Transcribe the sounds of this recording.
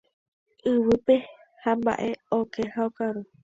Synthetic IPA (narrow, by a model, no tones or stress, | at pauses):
ɨwɨpe̞ | hamba̰ʔe̞okʰehaokaɾu